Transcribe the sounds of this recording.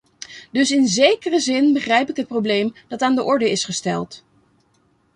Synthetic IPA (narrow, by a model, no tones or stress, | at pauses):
dɵsɪnzejkərəzɪnbəχrɛjpɪkɦət̚prowblejmd̥ɑtaːndəʔɔɹdəɪsχəstɛlˠt